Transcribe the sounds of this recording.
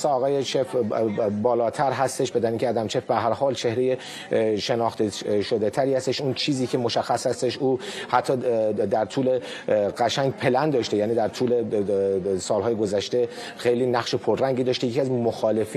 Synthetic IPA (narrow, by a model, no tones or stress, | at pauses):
sɑɒːɣɒːjet͡ʃʰefbɒːlɒːt̪ʰæɾɦæst̪e̞ʃbed̪æɾniŋcʰeæːd̪æmt͡ʃʰe̞fbeɦæɾhɒːlt͡ʃʰe̞hɾe̞je̞ | ʃenɒːxt̪eʃod̪et̪ʰæɾiːhæst̪e̞ʃunt͡ʃʰiːziːkʰemoʃæxːæshæst̪e̞ʃuːhæt̪ʰːɒːd̪æɾt̪ʰuːle | ɡæʃæŋɡpʰe̞lænd̪d̪ɒːʃt̪ejæːniːd̪æɾt̪ʰuːle | sɒːlɦɒːjeɡozæʃt̪e̞ | xe̞jliːnæɣʃe̞pʰoɾːæŋɟiːd̪ɒːʃt̪ejeiæzmoxɒːle̞fiː